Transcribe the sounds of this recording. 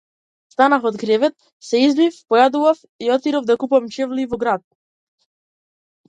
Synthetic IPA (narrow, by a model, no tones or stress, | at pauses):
st̪anafɔd̪ɡɾɛvɛt̪̚ | sɛizbifpɔjad̪uvaf | iɔt̪iɾɔvd̪akupamt͡ʃɛvlivɔɡɾat̪̚